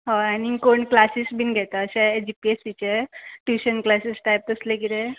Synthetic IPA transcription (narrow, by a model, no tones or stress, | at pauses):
ɦaãniŋkoɳklasisbʱinɡʱɛt̪aəɕed͡ʑipiesit͡ɕeʈuɕənklasisʈajp̚t̪əslekiɾe